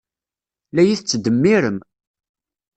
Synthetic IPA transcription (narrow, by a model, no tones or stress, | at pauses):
læjiθt͡sːd̪əmːiɾəm